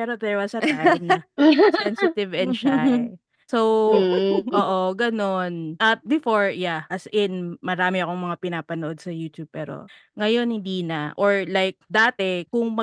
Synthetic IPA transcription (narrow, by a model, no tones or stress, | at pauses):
pɛːɾod̪ɛɹwɐsɐt̪anɐsɛnsɪt̪ɪvɛnʃa | sow | ʔoːʔoɡɐno̞nʔɐt̪̚bɪfoɹjaʔɐsɪnmɐɾaːmɪɐkoŋmɐŋapɪnaːpɐnoʔod̪̚sɐjuːt̪jub̚pɛːɾo̰ | ŋɐjo̞nhɪnd̪iːnɐʔoɹlajk̚d̪aːt̪ɛkʊŋmɐ